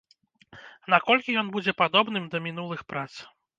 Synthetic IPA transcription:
nakɔlʲkʲijɔnbud͡zʲɛpad̪ɔbn̪ɨmd̪ɐmʲinulˠɨxpɾat̪s

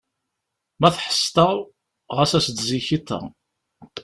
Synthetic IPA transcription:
mæθħə̥st̪ɑˤ | ʁəsæsd̪ziçit̪ˤːə̰

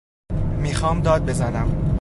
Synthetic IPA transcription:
miːxɒːmd̪ɒːd̪̚be̞zænæm

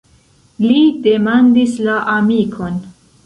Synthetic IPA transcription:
lide̞mandislaʔamikʰo̞n

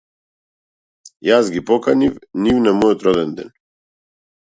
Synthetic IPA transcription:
jasɡipɔkanifnivnamɔjɔt̪ɾɔd̪ɛnd̪ɛ̰n

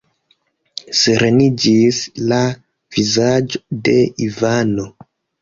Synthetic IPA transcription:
seɾenid͡ʒisla | v̥izad͡ʒode̞ivano

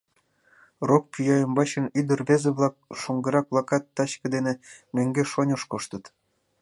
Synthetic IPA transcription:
rok̚pʲyjɑjəmbɑt͡ɕə̆nyd̪ə̆rβezeβlˠɑk̚ʃoŋɡə̆ɾɑk̚βlˠɑkɑt̪ːɑɕkɤ̆d̪enemeŋɡeʃonʲə̆ʃkoʃt̪ə̆t̪

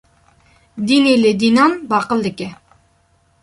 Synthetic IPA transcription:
d̪inelɪd̪inɑnbɑqəld̪ɪkʲɪ

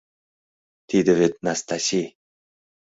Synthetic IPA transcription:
d̪̥ed̪ɪvet̪̚nast̪asi

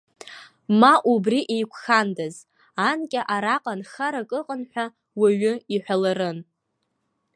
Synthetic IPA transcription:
maʔubriʔejkʷʰxandaz | ankʲʼɪʔaɾaqʼanxaɾakʼɨqʼənħʷᶣa | waɥʊiħʷᶣalaɾɨn

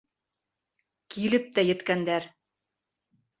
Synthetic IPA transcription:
kilɘp̚t̪æjɘ̆t̪kænd̪æɾ

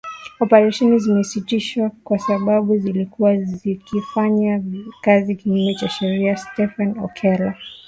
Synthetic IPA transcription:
ɔpɛɾaʃɛnizimɛsitiʃwakwasaɓaɓuzilikuwazikifaɲakazikiɲɡinɛt͡ʃaʃɛɾiastɛfanɔ̰kʰɛla

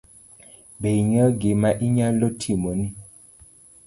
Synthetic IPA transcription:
beiɲəɡemaʔiɲalotʰimoni

